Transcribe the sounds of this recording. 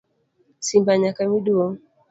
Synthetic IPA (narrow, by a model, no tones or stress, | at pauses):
simbaɲakamiɗuɔ